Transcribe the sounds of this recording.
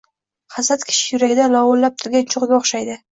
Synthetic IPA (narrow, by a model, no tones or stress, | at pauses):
χɑsat̪kʲʰɪ̥ʃɪ̥jʊɾaɡʲɪd̪alɒwolːap̚t̪ʰʊɾɡʲant͡ʃʰʊʁɡ̪ʲaoχʃajd̪ɪ